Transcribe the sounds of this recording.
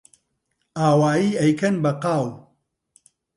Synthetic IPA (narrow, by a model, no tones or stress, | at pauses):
aːwaːjiːɐjkʰɐnbɐqaːw